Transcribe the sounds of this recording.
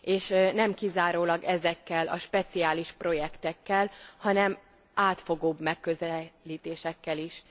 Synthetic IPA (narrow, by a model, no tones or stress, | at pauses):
eːʃnɛmkizaːɾoːlɒɡɛzɛkːɛlɒ̰ʃpɛt̪siaːliʃpro̞jɛkt̪ɛkːɛlhɒnɛm | aːt̪fo̞ɡoːbmɛkːøzɛliːt̪eːʃɛkːɛliʃ